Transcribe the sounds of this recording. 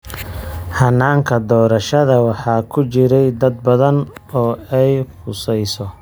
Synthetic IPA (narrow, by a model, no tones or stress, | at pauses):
hɑnːaːŋkʰɐd̪ɔːɾɐʃɐðɐwɑħɑːkʰʊt͡ʃɪɾɛjd̪ɐd̪̚bɐðɐnɔːɛjqʊsɛjsɔ